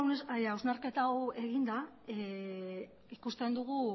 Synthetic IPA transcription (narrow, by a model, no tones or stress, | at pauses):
awznaɾke̞t̪awe̞ɣind̪a | e | ikust̪e̞nd̪uɣ̞u